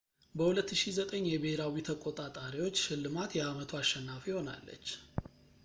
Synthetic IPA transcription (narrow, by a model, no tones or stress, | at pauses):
bəhulət̪ːɨʃizət̪ʼəɲːjɛbəheɾawit̪ʰəkʼot̪ʼat̪ʼaɾiwo̞t͡ʃːʃɪlːɨmat̪jɛamət̪ʰuaʃːɛnːafjɪho̞na̰lːə̰t͡ʃː